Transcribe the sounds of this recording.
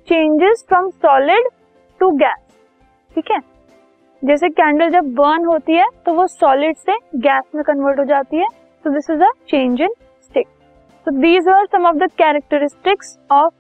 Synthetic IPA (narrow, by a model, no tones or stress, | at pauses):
t͡ʃẽːnd͡ʒɪzfɾɔ̃msɔːlɪɖ | ʈuɡɛːs | ʈʰiːkɦɛ | d͡ʒɛːs̬ekæ̃ːɳɖəld͡ʒɐb̚ːəːɾnɦoːt̪iɦɛt̪oʋosɔːlɪɖseɡɛːsmẽkɐ̃nʋəːɾʈɦoːd͡ʒaːt̪iɦɛ | t̪od̪ɪsɪzət͡ʃẽːnd͡ʒɪ̃ŋ | sʈɪk̚ | sod̪iːzaɾsɐ̃mɔʋd̪əkɛːɾək̚ʈəɾɪsʈɪksɔːf